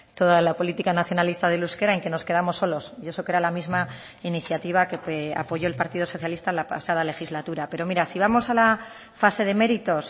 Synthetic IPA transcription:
t̪o̞ðalapo̞lit̪ikanaθjo̞nalist̪aðe̞luske̞ɾaeŋke̞no̞ske̞ð̞amo̞sːo̞lo̞sie̞so̞ke̞ɾalamizma | iniθjat̪iβ̞ake̞ea̰po̞ʝo̞e̞lpaɾt̪iðo̞so̞θjalist̪alaosealale̞xizlat̪uɾape̞ɾo̞miɾasiβ̞amo̞sala | fase̞ðe̞me̞ɾit̪o̞s

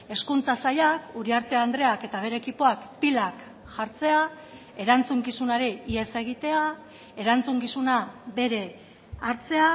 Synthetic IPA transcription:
e̞skunt͡sasajakuɾiaɾt̪e̞and̪ɾe̞ake̞t̪aβ̞e̞ɾe̞ːkipo̞akpilak | ʝaɾt͡se̞a | e̞ɾant͡suŋkisunaɾeie̞se̞ɣ̞it̪e̞a | e̞ɾant͡suŋkisunabe̞ɾe̞ | aɾt͡se̞a

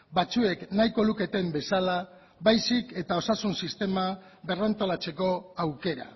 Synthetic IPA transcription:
bat͡sue̞knajko̞luke̞t̪e̞mbe̞sala | βajsike̞t̪ao̞sasunsist̪e̞maβe̞rant̪o̞lat͡se̞ko̞awke̞ɾa̰

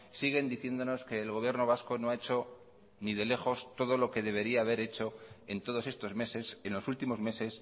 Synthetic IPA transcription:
siɣ̞e̞nd̪iθje̞nd̪o̞no̞ske̞ːlɣo̞β̞je̞ɾno̞β̞asko̞no̞aet͡ʃo̞ | niðe̞le̞χo̞st̪o̞ð̞olo̞ke̞ðe̞β̞e̞ɾiaːβe̞ɾe̞t͡ʃo̞ent̪o̞ðo̞se̞st̪o̞zmesesenlosult̪imo̞zme̞se̞s

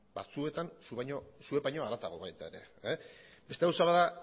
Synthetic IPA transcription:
ba̰t͡sue̞t̪ansuβaɲosue̞paɲo̞aɾat͡s̪aɣo̞βajt̪ae̞ɾe̞̰ | be̞st̪eawsaβaða

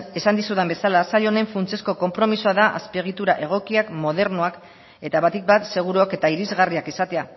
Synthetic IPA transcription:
e̞sand̪isuðembe̞salasaʎo̞ne̞ɱfunt͡se̞sko̞ko̞mpɾo̞misuaðaʔa̰speɣ̞it̪uɾaʔe̞ɣ̞o̞kiakmo̞ðe̞ɾnuak | e̞t̪aβat̪ik̚bat̪se̞ɣ̞uɾuake̞t̪aiɾizɣariakisat̪e̞a

